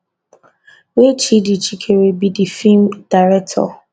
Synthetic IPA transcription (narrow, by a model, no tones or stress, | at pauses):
wet͡ʃidit͡ʃikʰeɾebidifimd̥aɾɛk̚tʰɔ̰